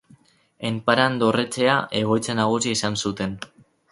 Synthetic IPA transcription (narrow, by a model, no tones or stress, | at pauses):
empaɾand̪o̞ret͡se̞aʔe̞ɣ̞o̞jt͡sanaɣ̞usiesansut̪e̞n